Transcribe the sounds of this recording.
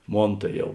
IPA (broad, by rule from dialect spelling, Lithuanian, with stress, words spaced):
ˈmoːn tɐɪ ˈjɛʊ